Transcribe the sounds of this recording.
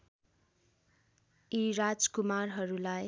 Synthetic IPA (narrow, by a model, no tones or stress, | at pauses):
iɾad͡zkumarɦʌɾulaj